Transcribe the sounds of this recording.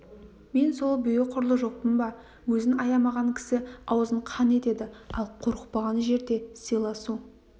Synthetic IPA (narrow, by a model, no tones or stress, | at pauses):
me̞nso̞lˠbʏjeqʰʊɾlˠəʒo̞q̚pənbɑ | wɵzɪnɑjɑmɑʁɑŋkʲʰɪ̥sɪɑwzəɴqʰɑne̞t̪e̞d̪ɪɑlˠqʰʊɾəqpɑʁɑnʒe̞ɾd̪e̞sijlˠɑsu